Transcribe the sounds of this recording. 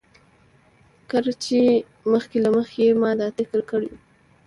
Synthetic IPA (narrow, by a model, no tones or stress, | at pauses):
kəɾt͡ʃe | məxkelaməxeemɑd̪ɑt̪ɪkəɾkəɽḭwu